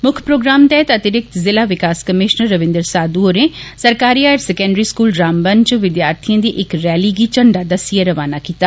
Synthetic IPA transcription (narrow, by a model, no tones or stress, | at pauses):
mʊkʰpɾoːɡɾaːmt̪ɛːət̪ət̪ɪɾɪk̚t̪zɪlaːʋɪkaːskəmɪːʃnəɾːəʋɪ̃nd̪əɾsaːd̪uoːɾẽːsəɾkaːɾiːaːɾsɛkɛ̃ːɳɖɾiːskuːlɾaːmbənt͡ʃʋɪd̪jaːɾt̪ʰijãːd̪iːʔɪkɾɛːliːɡiːt͡ʃəɳɖaːd̪asiaɾəʋaːnaːkiːt̪aː